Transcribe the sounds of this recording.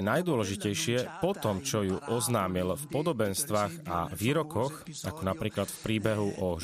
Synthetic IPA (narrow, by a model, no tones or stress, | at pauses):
najd̪ʊɔlɛʒicɛjʃɪɛpɔt̪ɔmt͡ʃɔjuʔɔznaːmilfpɔd̪ɔbɛnst̪ʋaːɣa̰ʋiːɾɔkɔxakɔnapɾiːklat̪fpɾiːbɛɦuʔɔ